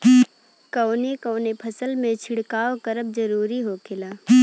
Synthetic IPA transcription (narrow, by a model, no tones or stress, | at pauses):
kɐʊnekəːnepʰɐsəlmẽt͡ʃʰɪɽkaːokəɾəb̚d͡ʒəɾuːɾiɦokʰɪlaː